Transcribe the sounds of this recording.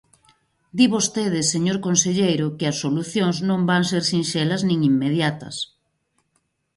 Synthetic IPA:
d̪iβost̪eðɪseɲoɾkonseʎejɾʊkɪɐsːoluθjoŋznõmbaŋseɾsinʃɛlɐznĩŋimːeðjat̪ɐ̰s

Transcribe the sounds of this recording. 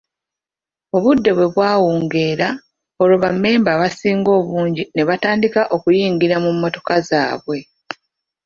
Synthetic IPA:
o̞βudːe̞βwe̞βwaːwuːŋɡe̞ːɾa | o̞loβamːe̞ːmbaβasiːŋɡo̞ːβuːɲɟine̞βataːndikaʔo̞kujiːŋɡiɾamumːo̞to̞kaza̰ːβwe̞

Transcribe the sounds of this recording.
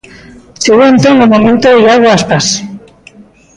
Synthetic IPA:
seɣuent̪oŋomomẽnt̪oiaɣwaaspas

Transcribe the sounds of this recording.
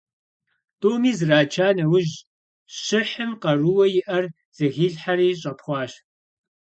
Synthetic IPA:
tʼoːmiːzraːt͡ʃʰaːnɐwʊʒ | ɕɪħɨmqɐruwɐjɪʔɐr | z̥ɨɣiːɮħaɾiːɕʼɐpχʷɑːɕ

